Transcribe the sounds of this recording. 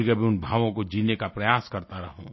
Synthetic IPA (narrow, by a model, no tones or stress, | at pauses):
kabʱiʊnbʱaːʋõkod͡ʒiːnekapɾɐjaːskɐɾt̪aɾɐɦṵ̃ː